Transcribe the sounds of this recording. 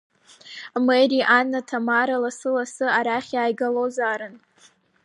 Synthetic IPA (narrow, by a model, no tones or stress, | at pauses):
meriʔanːatʰamaɾalasɨlasɨaɾaχʲjaːjɡalozaːɾɨn